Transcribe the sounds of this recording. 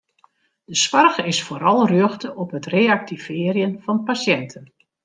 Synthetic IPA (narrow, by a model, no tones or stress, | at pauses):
d̥əswarxɪsfoːɾɑlˠrjøxtəʔɔpɦətreak̚tivɪːərjənfɑnpasjɛntʰən